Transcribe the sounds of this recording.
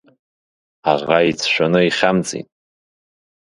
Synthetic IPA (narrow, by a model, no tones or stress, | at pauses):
aʁait͡sʰʃʷᶣanɨiχʲamt͡sʼḭtʼ